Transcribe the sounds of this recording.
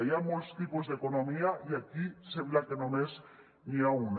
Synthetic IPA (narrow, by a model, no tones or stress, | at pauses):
jamost̪ipozðeko̞nõ̞miaiakisemblake̞nõnez | niaun